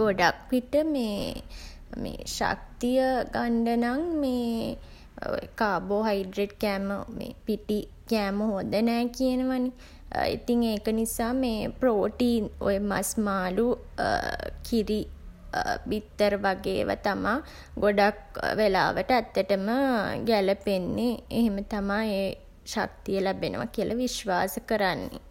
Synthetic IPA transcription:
ɡoɖakʋiʈəmeː | mḛːʃa̰k̚t̪ijəɡaɳɖənaŋmeː | o̰jə̰kaːboːɦaiɖɾeʈ̚kɛːməmḛːpiʈi | kɛːməɦod̪ənɛːkijənəʋani | ḭt̪iŋeːkənisaːmeːproːʈiːno̰jəma̰smaːlu | kʰiɾi | ʋit̪ːəɾəʋaɡḛːʋa̰t̪ama | ɡoɖak̚ʋela̰ːʋəʈəæt̪ːəʈəməɡæləpenːeeɦemət̪amaeː | ʃa̰k̚t̪ijəlæbenə̰ʋa̰kiəlʔaʋiʃʋaːsəkəɾanːḛ

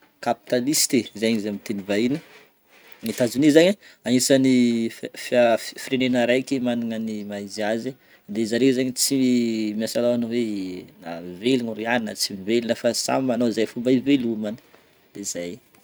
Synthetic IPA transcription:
kapi̥t̪alist̪ezaɲizamit̪enivainə | nit̪azunizaɲəanisanifiafirenenəɾajkimaniŋənimaiziazi | d̪ezaɾezaɲit͡simiasalawanowena̰velinuɾianinət͡simivelinəfasa̰mmanozajfumbaivelumanə̥ | d̪ez̥aj

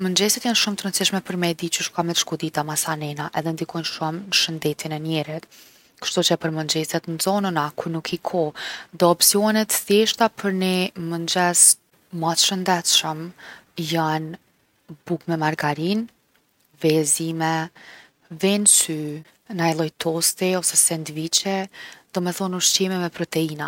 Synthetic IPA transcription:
mənd͡ʒɛsɛt̪janʃumt̪əɾənt͡siʃmɛpəɾmɛd̪it͡ʃəʃkamɛt̪ʃkud̪it̪amasanɛnaʔɛðɛnd̪ikɔjnʃumnəʃənd̪ɛt̪inɛnjɛɾit̪ | kə̥ʃt̪ut͡ʃɛpəɾmənd͡ʒɛsɛt̪nzɔnənakuɾnukʰikʰɔd̪ɔɔpsiɔnɛt̪θɛʃt̪apʰəɾnimənd͡ʑɛs | mat̪ʃənd̪ɛt̪ʃəmjan | bukmɛmaɾɡaɾin | vɛzimɛ | vɛnsy | najlˠɔjt̪ʰɔst̪iɔsɛsɛnd̪vit͡ɕɛd̪̥ɔmɛθɔnuʃt͡ɕimɛmɛpɾɔt̪ɛina

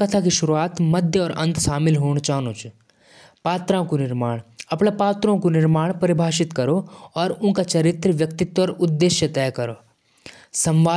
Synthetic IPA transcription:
kɐt̪ʰakiʃʊɾuaːt̪mɐd̪ʱjəɔːɾɐ̰̃nt̪ʃaːmɪlɦoːɽ̃t͡ʃaːnot͡ʃ | paːt̪ɾãkunɪɾmaːɽ̃ɐpɽ̃epaːt̪ɾõkunɪɾmaːɽ̃pɐɾɪbʱaːʃɪt̪kɐɾoɔːɾʊ̃nkat͡ʃɐɾɪt̪ɾəʋjɐkt̪ɪt̪wɔɾʊd̪ːeːʃjət̪ɛːkɐɾoː | sɐ̃mʋaː

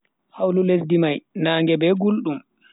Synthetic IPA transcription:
hawlulesdimajnaːŋɡɛbɛːɡulɗum

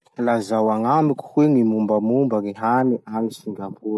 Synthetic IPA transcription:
lazawaŋamiku̥hweŋimumbamumbəɾeɦaniʔanifiŋɡambu

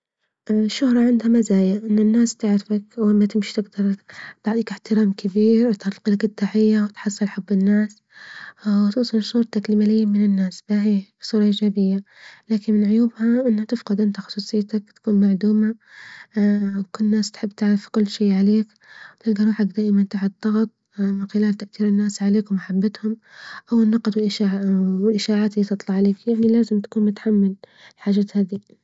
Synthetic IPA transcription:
ʔʃːʊhɾˤɑʕɪnd̪hamazaːjaʔɪnːɪnːaːst̪ɪʕɾɪfakwɪmːat̪ɪmʃi̥t̪ɪɡd̪ɑɾˤt̪ɑʕt̪ˤiːkɪħt̪ɪɾaːmkɪbiːɾwt̪alqilɡɪt̪ːaːʕɪjːawɪt̪ħɑsˤːɨlħabːɪnːaːs | wt̪uːsˤɨlsuːɾˤt̪aklɪmaːlɪjːamɪnɪnːaːsbahisˤuːɾˤɑʔɪd͡ʒaːbɪjːa | laːkɪnmɪnʕʊjuːbhaʔɪnːhat̪ɪfqɑd̪ʔɪnt̪axʊ̥sˤuːsˤɨjːt̪akt̪ḁkuːnmaʕd̪uːma | kʊlːnːaːst̪ḁħɪbːt̪aʕɾɪfkʊlːʃiːʕaleːk | wt̪ɪɡd̪ɑɾˤuːħak̚d̪aːʔɪmant̪aħd̪ˤːɑɣt̪ˤ | mɪnxɪlaːlt̪aʔθiːɾɪnːaːsʕaleːkwmaħabːat̪hʊm | ʔawɪnːɑqd̪wɪlʔ | wɪlʔɪʃaːʕaːt̪ɪlːiːt̪ɨt̪ˤlɑʕaleːkjaʕnilaːzɪmt̪ḁkuːnmʊt̪ħamːɪllħaːd͡ʒaːt̪haːd̪i

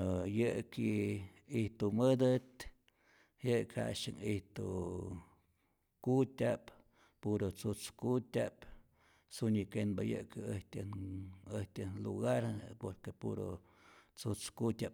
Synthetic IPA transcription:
jɨʔki | iht̪umɨd̪ɨt̪ | jɨʔkha̰ʃɨŋiht̪u | kut̪ʲap | puɾot͡sut͡skut̪ʲap | sunikenbajɨ̰ʔkəht̪ʲanɨht̪ʲɨnlṵɣaɾpoɾkepṵɾo̰ | t͡sut͡skut̪ʲap

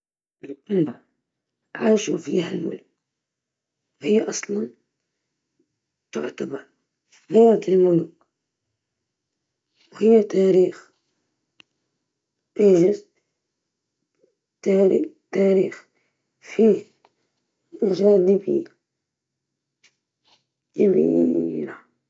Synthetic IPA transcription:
ʔɪlqʊlba | ʕaːʃufḭːhalmʊ̰lk | hɪjːaʔɑsˤlɑn | t̪ʊ̰ʕt̪abɑɾˤ | ɣaːɾat̪ɪlmʊlk | whɪjːat̪aːɾiːx | ʔeːʒɪz | t̪aːɾit̪aːɾiːx | fiːh | ɪʒaːd̪ibḭː | jbḭɾa

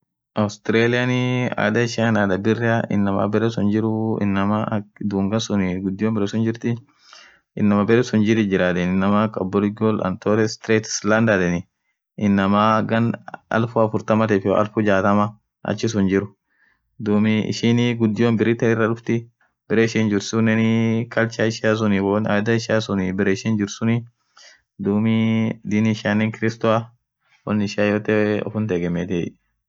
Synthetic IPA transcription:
ʔɐwst̪ɪɾeːlɪjɐnɪa̰d̪ɐɪʃɪɐnad̪ɐbɪrːɐɪ̰nːɐma̰bɛɾɛsʊnd͡ʒɪɾʊɪ̰nːɐmɐd̪uːŋɡɐnsʊnɪɡʊd̪ːɪjoːmbɛɾɛsʊnd͡ʒɪɾt̪ɪ | ʔɪnːɐmɐbɛɾɛsʊnd͡ʒɪɾɪd͡ʒɪɾaːt̪ɛnɪnːɐmakɐbːɔlɪɡolɐ̰nt̪ɔːɾɛst̪ɾeːt̪slɐnd̪ɐd̪ɛnɪ | ɪnːɐmaɡɐnɐ̰lfʊɐfʊɾt̪ɐmɐt̪ɛfɪɔ̰ʔɐ̰lfʊd͡ʒaːt̪ɐmɐ | ɐ̰t͡ʃːɪs̬ʊnd͡ʒɪɾʊ | d̪uːmɪɪ̰ʃinɪɡʊd̪ːɪjonbɪɾɪt̪ɐɪrːɐlʊft̪ɪ | b̥ɪɾɛɪʃind͡ʒɪɾsʊnɛnɪkɐlt͡ʃaɪʃɪas̬ʊnɪwɔnɐ̰jd̪ɐɪʃɪaːsʊnɪbɪɾeɪʃɪnd͡ʒɪɾsʊnɪ | d̪uːmɪd̪ɪnɪʃaːnːɛŋkɪɾɪst̪ʊa | wɔnːɪɪʃɪaːjoːt̪ɛɔ̰fʊnt̪ɛɡɛmːet̪i

